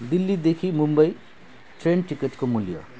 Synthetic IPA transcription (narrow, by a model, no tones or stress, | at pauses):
d̪ilːid̪ekʰimumbʌi | ʈɾenʈikeʈkomuljə̰